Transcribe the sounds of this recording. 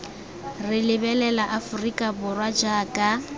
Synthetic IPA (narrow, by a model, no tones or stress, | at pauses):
rɪlɪbɛlɛlaʔafʊrikʼabʊrwad͡ʒaːkʼa